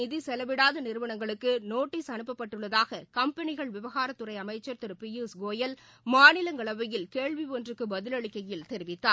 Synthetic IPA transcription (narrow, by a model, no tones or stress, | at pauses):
ɪðisɛlɐʋɪɽaːðɯnɪɾɯʋɐɳɐŋɡɐɭɯkːɯnoːʈːiːsɐnɯpːɐpːɐʈːɯɭːɐðaːɣɐkɐmpɐnɪɣɐɭʋɪʋɐɣaːɾɐt̪ːɯrɐɪɐmɐɪt͡ʃːɐɾt̪ɪɾɯpɪjuːsɡoːjɐlmaːnɪlɐŋɡɐɭɐʋɐjɪlkeːɭʋiʋondrɯkːɯbɐðɪlɐɭɪkːɐjɪlt̪ɛɾɪʋɪt̪ːaːɾ